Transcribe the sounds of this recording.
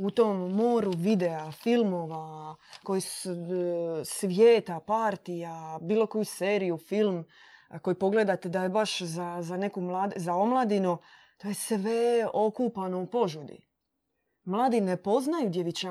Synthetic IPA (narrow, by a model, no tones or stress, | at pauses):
ut̪omːoːɾuʋid̪eafilmo̞ʋako̞jisu | sʋjeːt̪apaɾt̪ijabiːlˠo̞ko̞juseːɾijufilm | ko̞jipo̞ɡle̞d̪at̪ed̪ajebaʃzazane̞kumlaːd̪zao̞mlˠaːd̪ino | t̪oːjesʋeo̞kuːpano̞upo̞ʒud̪ḭ | mlˠaːd̪ine̞po̞znajud̪jeʋit͡ɕa